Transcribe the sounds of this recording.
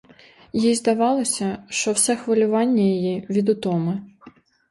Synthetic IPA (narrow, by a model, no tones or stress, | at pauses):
jizd̪ɐʋɑlˠɔsʲɐʃt͡ʃɔwsɛxʋɐlʲʊʋɑnʲːɐjijiʋʲid̪ʊt̪ɔmɪ